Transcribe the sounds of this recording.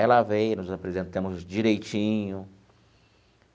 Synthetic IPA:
ɛlavejnʊzapɾezẽnt̪ɐ̃mʊzd͡ʒiɾejt͡ʃĩɲʊ

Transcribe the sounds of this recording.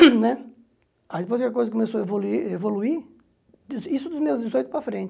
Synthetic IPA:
nɛ | aid̪ɪpojzkɐk̬ojzɐkomesoɐevoluiɾevolui | d̪zisʊd̪ʊzmezd̪ɪzojt̪ʊpɾɐfɾẽnt̪

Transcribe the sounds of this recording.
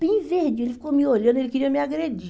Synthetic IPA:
ĩĩvehd͡ʒielifi̥komioʎɐ̃nd̪elikiɾiɐmiaɡɾed͡ʒi

